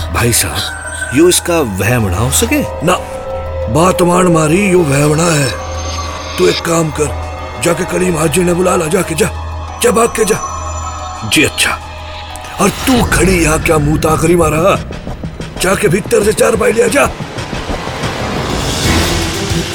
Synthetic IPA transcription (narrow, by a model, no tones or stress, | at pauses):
bʱa̰ːisa̰ːb | joːɪskaʋɛːmɽa̰ɦosɐkeːna | baːt̪ɐmaːñmaːɾijoːʋɛːmɽaɦɛː | t̪ueːkːaːmkɐɾ | d͡ʒaːkekɐɽimaːd͡ʒinebʊlaːlad͡ʒaːked͡ʒaː | t͡ʃaːbaːk̚kːed͡ʒaː | d͡ʒiːɐtːʃʰḁ̰ː | ɔːɾt̪uːkʰɐɽijɐɦãkjaːmũːt̪aːkɐɾimaːɾɐɦa | d͡ʒaːkebʱɪt̪ːəɾset͡ʃaːɾp̬aːilijad͡ʒaː